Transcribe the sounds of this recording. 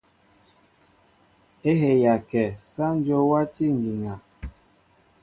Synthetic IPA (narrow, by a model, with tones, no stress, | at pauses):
e˦ɦe˨ja˨kɛ˨sa˦n˦d͡ʒo˦wa˦ti˦ŋ˨ɡi˨ɲa˨